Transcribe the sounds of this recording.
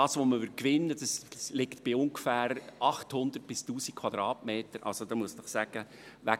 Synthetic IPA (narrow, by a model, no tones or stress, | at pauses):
ɑːsʋoməʋʏkʋɪnːəd̥ɑslɪktb̥ɪʊŋɡ̥fæːɾʔɑχthʊnd̥̪ərt̚b̥ɪstuːsikʰʋ̥wɑd̥̪ɾɑːtmeːtəɾʔɑ̰lsod̥ɑmuəsd̥əχsæɡ̥ə | ʋæ